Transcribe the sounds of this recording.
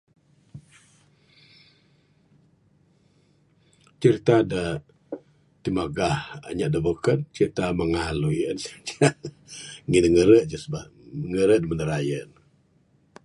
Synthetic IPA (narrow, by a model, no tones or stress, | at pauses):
t͡ʃəɾit̪adə | t̪imaɡaha̰ɲaʔdəbokən̚t͡ʃəɾit̪aməŋalujənsəd͡ʒaʔ | ŋinəŋəɾəʔd͡ʒəsba | ŋəɾəʔdəmənəɾajən